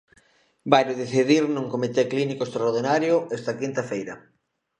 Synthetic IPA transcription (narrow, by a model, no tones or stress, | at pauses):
bajɾoðeθiðiɾnũŋkomit̪eklinikoest̪ɾaoɾðinaɾjʊest̪ɐkint̪ɐfejɾɐ